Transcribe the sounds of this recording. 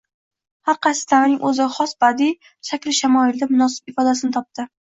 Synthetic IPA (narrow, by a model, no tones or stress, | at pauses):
haɾqʰɑjsɪ̥t̪ʰamɪnɪŋʔɵzɪχɒsbad̪i | ʃakʲɾɪʃamɒɪld̪amʊnɒsɪ̥b̚ɪfɒd̪as̬ɪnɪt̪ʰɒp̚t̪ɪ